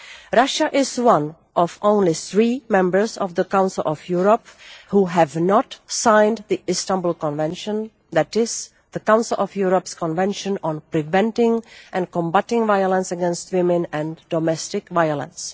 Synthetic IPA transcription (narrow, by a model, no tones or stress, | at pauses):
ɹʌʃəʔɪzwʌ̃n | ʔɔvʔõʊ̃nliθɹimɛ̃mbə˞zɔvðəkãʊnsəl̩ˠʔɔvjuɹəphuɦævnɔtsãɪ̃nðiʔɪstãmbulˠkɔ̃nvɛ̃nʃə̃n | ðæɾɪz̥ | ðəkãʊ̃nsəl̩ˠʔɔvjuɹɔpskɔ̃nvɛ̃nʃə̃nɔ̃npɹɪvɛ̃ntɪ̃ŋʔɛ̃nkɔ̃mbatɪ̃ŋvaɪəlˠə̃nsəɡɛ̃nst̚wɪ̃mɨ̃nɛ̃ndɔmɛstɪkvaɪəlˠə̰̃ns